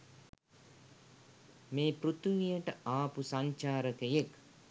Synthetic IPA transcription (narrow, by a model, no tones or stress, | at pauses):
meːpɾut̪ʋijəʈəaːpusaɲt͡ʃaːɾəkejek